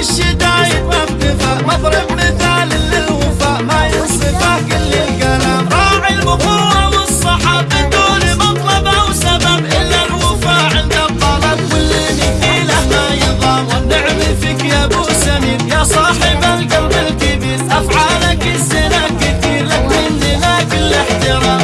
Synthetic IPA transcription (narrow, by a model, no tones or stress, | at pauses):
ʃɪd̪aːjɪʔant̪ɪfamɑðˤɾˤɑbmɪθaːlɪlːɪlwʊfaːʔmajʊsˤɨfakɪlːɪlkalaːmɾˤɑːʕilbʊqʊɾɑwɪsˤːɑħɑ | ad̪uːnimɑt̪ˤlɑbwsababʔɪlːalwʊfaːʕɪnd̪at̪ˤːɑlɑbwɪlːinɪkiːlamajɪðˤɑːwɪnːʊʕmɪlfɪkjabʊsamiːnjaːsˤɑːħɪbalɡalbɪlkɪbiːɾʔafʕalakɪsɪnakɪt̪iːɾlakːɪndɪlaːkɪlɪħt̪ɪɾˤɑːm